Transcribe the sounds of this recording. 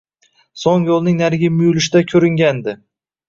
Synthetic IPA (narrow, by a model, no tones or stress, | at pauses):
soŋjolˠnɪŋnaɾɡʲɪmʊjʊlɪʃɪd̪akʲʰɵɾɪŋɡʲand̪ɪ